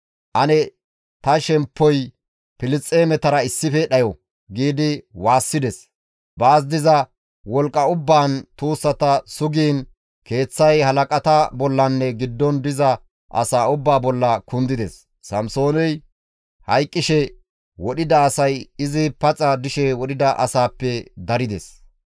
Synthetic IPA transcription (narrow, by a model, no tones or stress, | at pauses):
ʔɐnɛ | t̪ɐʃɛmpːɔj | pɪlɪt͡sʼːeːmɛt̪ɐɾɐɪsːɪfɛɗɐjɔ | ɡiːd̪ɪwaːsːɪd̪ɛs | baːs̬d̪ɪzɐ | wɔlkʼːɐʊbːaːnt̪uːsːɐt̪ɐsʊɡiːn | ke̞ːt͡sːɐjhɐlɐkʼɐt̪ɐbɔlːɐnːɛɡɪd̪ːɔnd̪ɪzɐ | ʔɐ̰saːʊbːaːbɔlːɐkʊnd̪ɪd̪ɛsː | ɐmso̞ːnɛj | hɐjkʼːɪʃɛ | wɔɗɪd̪ɐːsɐjɪzɪpɐt͡sʼɐd̪ɪʃɛwɔɗɪd̪ɐʔɐ̰saːpːɛd̪ɐɾɪd̪ɛ̰s